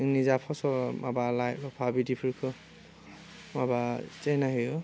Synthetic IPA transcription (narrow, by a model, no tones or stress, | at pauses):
nizapʰɔsɔmabalajlɔpʰabidipʰiɹkʰɯ | mabat͡ʃɛnaɦiu